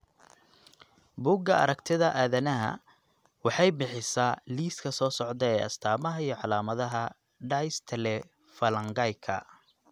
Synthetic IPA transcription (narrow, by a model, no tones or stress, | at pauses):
buːɡɐɐɾɐɡt̪ʰɪðɐʔaːðɐnɐɦɐ̰ | wɑħɑjbɪħɪsaːliːskʰɐsɔːsɔʕd̪ɛɛːʔɐ̰st̪ʰaːmɐɦɐijɔʕɑlaːmɐðɐɦɐ | ɖajst̪ʰɛlɛ | fɐlɐŋɡɐjkʰɐ̰